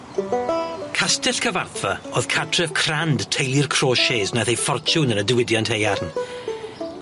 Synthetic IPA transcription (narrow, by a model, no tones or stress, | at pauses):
kʰastɪɬkʰəva̰rθvaoːð̥kʰatʰrɛv̥kʰrand̥tʰejrkʰr̥oːʃeːznaθejfɔrt͡ʃʰʊnənədɪwɪdjɔnthejarn